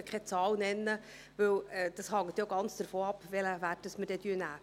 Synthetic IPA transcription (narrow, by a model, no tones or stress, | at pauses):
əkʰɛt͡sɑːlnɛnːə | ʋɵwɛd̥ɑshɑŋːət̪joɡɑnt͡sd̥əɾfoːɑpʋɛləʋæːt̚dəsmədɛd̥yːnæː